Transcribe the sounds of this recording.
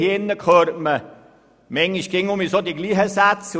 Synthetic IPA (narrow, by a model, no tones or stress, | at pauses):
ɪnːəkʰøːɾtmə | mɛŋiʃɡ̥ɪŋʊmisod̪iɡliːχəsæt͡s